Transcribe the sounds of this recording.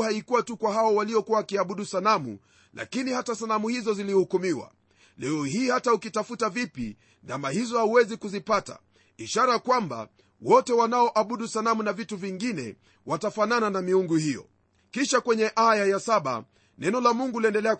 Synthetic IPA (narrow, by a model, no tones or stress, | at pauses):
haikuwatukwahawɔwaliɔkuwaakiaɓuɗusalamṵ | la̰kinihatasalamuhizɔzilihukumiwa̰ | lɛɔhiːhataukitafutavipi | ndamahizɔhauwɛzikuzipata̰ | iʃaɾakwamba̰ | wɔtɛwanaɔʔaɓuɗusalamunavituviŋɡinɛ̰ | watafanananamiuŋɡuhijɔ̰ | kiʃakwɛɲɛʔajajasaɓa̰ | nɛnɔlamuŋɡuliɛndɛlɛa